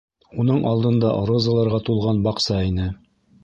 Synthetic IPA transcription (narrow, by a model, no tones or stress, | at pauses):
un̪ɤɴʔɑlˠd̪ɤ̆nd̪ɑ̰ʔɾŏzɑlˠɑɾʁɑt̪ulˠʁɑnbɑqsɑinɘ